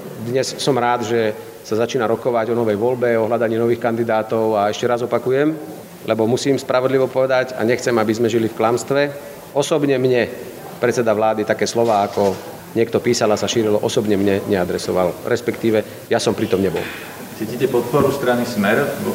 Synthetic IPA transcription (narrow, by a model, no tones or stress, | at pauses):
d̪ɲɛssɔmɾaːd̪ʒɛ | sazat͡ʃiːnaɾɔkɔʋaɟɔnɔʋɛjʋɔlbɛɔɦlad̪aɲiːnɔʋiːxkand̪id̪aːt̪ɔʊaɛʃcɛɾazɔpakujɛm | lɛbɔmusiːmspɾaʋɔd̪liʋɔpɔʋɛd̪aɟa̰ɲɛxt͡sɛmabizmɛʒilifklamst̪ʋɛ | ɔsɔbɲɛmɲɛ | pɾɛt͡sːɛd̪aʋlaːd̪it̪akɛːslɔʋaːakɔ | ɲɪɛkt̪ɔpiːsalasaʃiːɾilɔʔɔsɔbɲɛmɲɛɲɛad̪ɾɛsɔʋa̰lɾɛspɛkt̪iːʋɛ | jasɔmpɾit̪ɔmɲɛbɔ̰l | t͡siːcicɛpɔt̪̚pɔɾust̪ɾanismɛɾ